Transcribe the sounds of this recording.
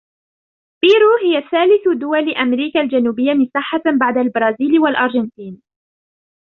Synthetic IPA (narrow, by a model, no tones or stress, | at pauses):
b̥iːɾuːɦɪjaθaːlɪθd̪ʊwalʔamɾiːkald͡ʒanuːbɪjːamɪsaːħːabaʕd̪albɾˤɑːziːlwalʔɑɾˤʒɪnt̪iːn